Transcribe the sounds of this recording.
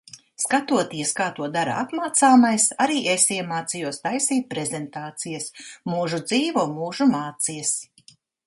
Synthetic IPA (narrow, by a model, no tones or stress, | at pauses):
skat̪uɔt̪iɛskaːt̪uɔd̪aɾa̰at̪maːt̪saːmajsaɾiːʔesiɛmaːt̪sijuɔst̪ajsiːpɾezent̪aːt̪sijɐsmuːʒud̪ziːvumuːʒumaːt̪sijɐs